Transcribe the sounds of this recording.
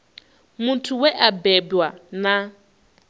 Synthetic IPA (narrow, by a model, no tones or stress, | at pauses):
mutʰuwɛʔabɛbwana